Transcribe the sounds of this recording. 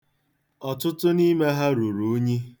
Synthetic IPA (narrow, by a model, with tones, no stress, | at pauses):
ɔ˨tʊ˦tʊ˦ni˦me˦ɦa˦ɾu˨ɾu˨˦ɲi˦